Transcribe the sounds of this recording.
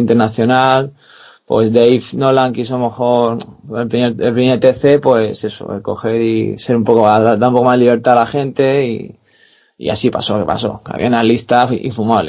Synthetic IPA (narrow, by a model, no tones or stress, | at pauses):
int̪eɾnaθjo̞nal | pwe̞zd̪ejfnolaŋkisalomexo̞ɾelpɾimeɾelpɾimeɾt̪e̞θe̞pwe̞se̞so̰ḛko̞̰xe̞ɾise̞ɾumpo̞koaaðaɾumpo̞ko̞mazliβ̞e̞ɾt̪alaxe̞nt̪e̞i | ḭa̰sipa̰soke̞pa̰so̞̰ka̰βj̰analist̪aḭɱfumaβle